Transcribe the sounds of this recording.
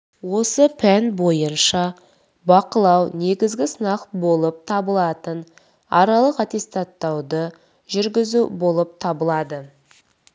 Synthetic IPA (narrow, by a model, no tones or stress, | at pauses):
wo̞səpʰænbo̞jənʃɑ | bɑqəlˠɑwne̞ɡʲɪzɡʲɪsənɑqbo̞lˠəp̚t̪ʰɑbəlˠɑt̪ən | ɑɾɑlˠəqɑt̪e̞st̪at̪ːɑwd̪ə | ʒʏɾɡʲɪzubo̞lˠəp̚t̪ʰɑbəlˠɑd̪ə